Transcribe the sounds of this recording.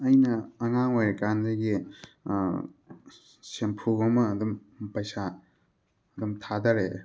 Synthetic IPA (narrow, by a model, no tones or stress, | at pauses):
ɐjnɐɐŋaŋojɾkandɾiɡi | sempʰuɡomɐːdum | pɐjsaː | dumtʰadɐɾe